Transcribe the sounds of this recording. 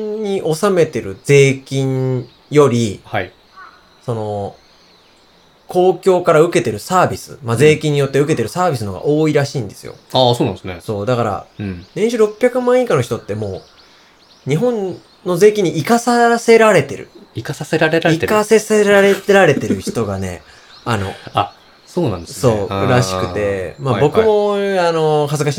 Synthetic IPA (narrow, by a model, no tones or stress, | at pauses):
ɲiʔo̞same̞t̪e̞ɾɯ̟d͡ze̞ːkʲĩɲ | jo̞ɾʲihai | so̞no̞ | ko̞ːkʲo̞ːkaɾaɯ̟ke̞t̪e̞ɾɯ̟saːbʲisɨ̰maze̞ːkʲĩɲ̟ːijo̞t̪ːe̞ɯ̟ke̞t̪e̞ɾɯ̟saːbʲisɨno̞ɡa̰ʔo̞ːiɾaɕĩːnd̪e̞sɨ̰jo̞̰aːsoːnã̰sneso̞ːd̪akaɾa̰nẽɕɨɾo̞pʲːçjakɯ̟mãɰ̃ikano̞çi̥t̪o̞t̪ːe̞mo̞ː | ɲ̟iɦõ̞n | no̞ze̞ːkʲiɲ̟iʔikasase̞ɾaɾe̞t̪e̞ɾɯ̟̰ikasaseɾaɾeɾaeikaseseɾaɾe̞t̪eɾaɾe̞t̪e̞ɾɯ̟çi̥t̪o̞ɡane̞̰ | ano̞̰a | soːnã̰nd̪eso̞ːɾaɕi̥kɯ̟t̪e̞mabo̞kɯ̟mo̞ano̞ɦazɨkaɕi